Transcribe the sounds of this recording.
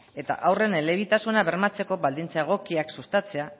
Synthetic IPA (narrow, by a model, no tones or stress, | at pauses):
e̞t̪a̰ʔawre̞nele̞β̞it̪asunaβe̞ɾmat͡se̞ko̞βald̪int͡saeɣ̞o̞kiaksust̪at͡se̞a